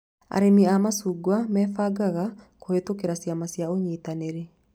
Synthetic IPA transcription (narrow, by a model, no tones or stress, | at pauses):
a̰ɾemiamasuɡwamɛːfaɡaɣakohetokeɾasjamasjaoɲit̪aneɾe